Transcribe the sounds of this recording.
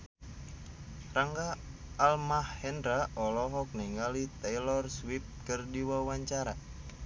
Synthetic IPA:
raŋɡaː | lmahːɛndɾaʔɔlɔɦɔk̚niŋɡalit̪ɛjlɔrswip̚kərdiwawaɲt͡ʃaɾa

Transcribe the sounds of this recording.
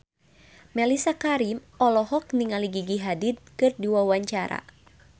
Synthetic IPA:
mɛlisakaɾim | ɔlɔɦɔk̚niŋaliɡiɡiɦadit̪̚kɨrdiwawaɲt͡ʃaɾa̰

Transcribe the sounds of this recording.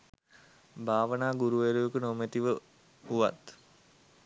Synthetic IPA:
bʱaːʋənaːɡuɾuʋeɾujəkənomet̪iʋə | uʋa̰t̪

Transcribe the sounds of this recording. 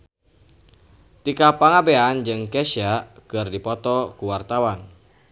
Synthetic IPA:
t̪ikapaŋabeand͡ʒɨŋkɛʃiakɨrdipɔt̪ɔkuwart̪awan

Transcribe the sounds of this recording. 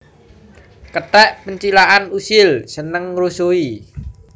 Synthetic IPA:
kətɛʔpəɲt͡ʃilaʔanusɪlsənəŋrosoi

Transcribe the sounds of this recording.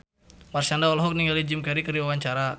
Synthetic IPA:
marsandaɔlɦɔk̚niŋɡalid͡ʒɪmkɛɾikəɾiwawaɲt͡ʃaɾa

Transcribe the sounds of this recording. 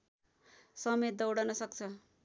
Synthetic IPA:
sʌmet̪̚d̪ʌwɽʌnʌsʌk̚t͡sʰʌ

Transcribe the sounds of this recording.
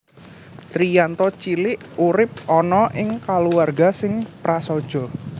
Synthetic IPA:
t̪ɾijant̪ɔt͡ʃilɪʔuɾɪp̚ɔnɔʔɪŋkaluarɡa̤sɪŋpɾasɔd̥ʒ̥ɔ̤

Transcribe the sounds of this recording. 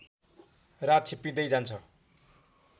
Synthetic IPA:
rat̪t͡sʰepid̪ʌjd͡zant͡sʰʌ

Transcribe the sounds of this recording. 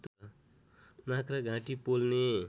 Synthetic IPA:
t̪ | nãkraɡʱãʈipolne

